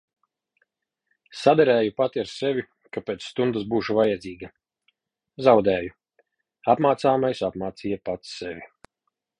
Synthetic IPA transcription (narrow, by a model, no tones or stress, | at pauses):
sad̪ɛɾæːjupat̪iaɾsevʲi | kapʲet̪sst̪und̪asbuːʃuvajɛd̪zʲiːɡɐ | zawd̪ɛːju | apmaːt̪saːmajsapmaːt̪siːjapat̪sːevʲi